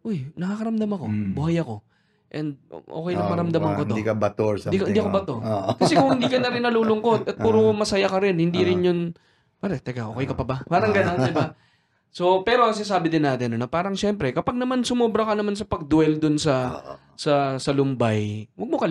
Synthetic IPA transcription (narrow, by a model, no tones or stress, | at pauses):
ʔojnɐkaːkɐɾɐmd̪amɐko̞bʊhajɐko̞ | ʔɛnd̪̚ʔo̰kɛjnɐpɐɾɐmd̪amɐŋkot̪oikɐbɐt̪od̪ikɐɪniːɐkobɐt̪okɐsɛkʊŋhɪnd̪iːkɐnɐɾɪnːɐluːlʊŋko̞t̪ɐt̪̚puːɾomɐsɐjakɐɾɪnhɪnd̪iɾɪnjʊn | paɾɛt̪ɛɡaʔoːkɛjkɐpɐbapaːɾɐŋɡɐnond̪ɪba | so̞pɛɾo̞kɐs̬ɛs̬aːbɪd̪ɪnːaːt̪ɪnonɐpaːɾɐŋʃɛmpɾɛkɐpaɡ̚nɐmansʊmoːbɾɐkɐnɐmansɐpɐɡ̚d̪ʊwɛld̪ʊnsɐ | sɐsɐlʊmbajwɐɡ̚mokɐl